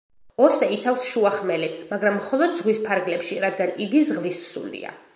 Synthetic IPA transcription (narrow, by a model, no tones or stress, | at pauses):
ɔsɛit̪sʰafsʃuaχmɛlɛt̪ʰmaɡɾamːχɔlˠɔd̪zʁwispʰaɾɡlɛpʃiɾad̪ɡaniɡizʁvissṵlḭa̰